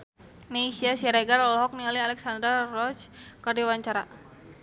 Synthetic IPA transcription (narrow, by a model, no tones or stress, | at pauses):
mesiasiaɾaɡarɔlɦɔk̚niŋalialɛksand̪ɾarɔt͡ʃkardawaɲt͡ʃaɾa